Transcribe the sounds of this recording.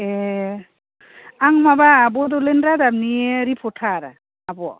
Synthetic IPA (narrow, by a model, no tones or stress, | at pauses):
e | aŋmabaːbɔdɔlenɾadabnieɾipʰɔtʰaɾa̰ː | bɔ